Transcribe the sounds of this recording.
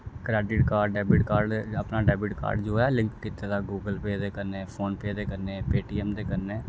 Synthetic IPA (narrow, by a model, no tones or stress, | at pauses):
kɾɛːɖɪʈkaːɾɖɖɛːbɪʈkaːɾɖəpnaːɖɛːbɪʈka̰ːɾɖd͡ʒoːɛːlɪ̃ŋkkit̪eːd̪aːɡuːɡəlpeːd̪eːkəɾneːpʰoːnpeːd̪eːkəɾneːpeːʈiːɛːmd̪eːkəɾneː